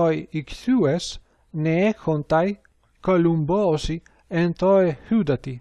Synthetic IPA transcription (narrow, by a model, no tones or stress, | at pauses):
ɔjikθues | neekont̪aj | kolumbɔːsi | ent̪ɔehud̪at̪i